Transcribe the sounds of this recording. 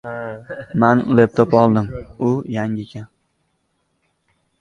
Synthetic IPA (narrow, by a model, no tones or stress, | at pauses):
manlep̚t̪ʰopɒlˠd̪ɪmʊjaŋɪkʲʰan